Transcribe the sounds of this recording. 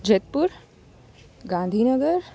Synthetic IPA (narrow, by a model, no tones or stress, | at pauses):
d͡ʒet̪̚puɾ | ɡãːnd̪ʱiːnəɡəɾ